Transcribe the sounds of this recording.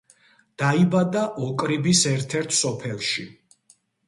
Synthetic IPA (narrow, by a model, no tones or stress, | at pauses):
d̪̥aibad̪aʔɔkʼɾibisɛɾt̪ʰɛɾt̪ʰsɔpʰɛlˠʃi